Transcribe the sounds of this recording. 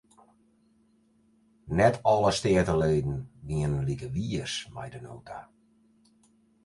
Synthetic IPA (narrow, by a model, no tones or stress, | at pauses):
nɛtʰɔləstɪətəleːdn̩ɡiənənlikəʋiəsma̰jdəno̰ːtʰa